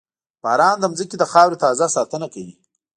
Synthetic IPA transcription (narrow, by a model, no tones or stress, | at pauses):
b̥ɑːɾɑːnd̪əmzəkid̪əxɑwɾit̪ɑːzasɑt̪ənakawi